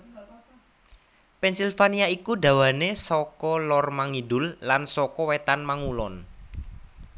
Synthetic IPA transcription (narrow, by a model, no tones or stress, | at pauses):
pɛnsilfaniaikuɖä̤wanesɔkɔlɔrmaŋidʊllansɔkɔwet̪anmaŋulɔn